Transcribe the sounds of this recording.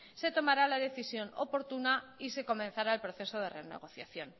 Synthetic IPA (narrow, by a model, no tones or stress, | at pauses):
se̞t̪o̞maɾalaðe̞θisjo̞no̰po̞ɾt̪unaise̞ko̞men̟θaɾaelpɾo̞θe̞so̞ð̞e̞re̞̰ne̞̰ɣ̞o̞θja̰θjo̞n